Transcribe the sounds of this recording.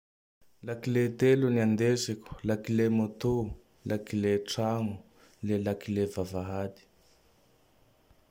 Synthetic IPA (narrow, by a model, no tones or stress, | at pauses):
lakilet̪eluniand̪esikʲu̥lakilemot̪u | lʔakileʈ͡ʂaŋu | lelakilevavaɦad̪i̥